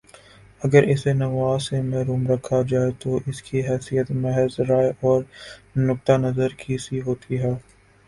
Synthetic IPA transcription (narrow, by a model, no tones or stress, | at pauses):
ɐɡəɾɪsenɐʋaːsemɛɦɾuːmɾɐkʰːad͡ʒaːet̪oʔɪskiɦɛːsijət̪mɛɦɛzɾaːjʔɔːɾnʊk̚t̪anɐzəɾkʰisiɦoːt̪ʰiɦɛː